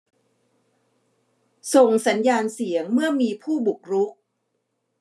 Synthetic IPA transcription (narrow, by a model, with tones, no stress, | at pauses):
so˨˩ŋsa˩˦njaː˧nsi˩˦əŋmɯ˥˩ɐmiː˧pʰuː˥˩bu˨˩k̚ɾu˦˥k̚